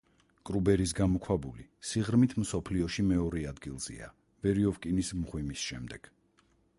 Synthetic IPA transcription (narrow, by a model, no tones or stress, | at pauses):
kʼɾubɛɾisɡamɔkʰwabulisiʁɾmit̪ʰmsɔpʰliɔʃimɛɔɾɛad̪ɡilˠz̥ḭa̰ | vɛɾiɔvkʼinismʁwimisʃɛmd̪ɛɡ̥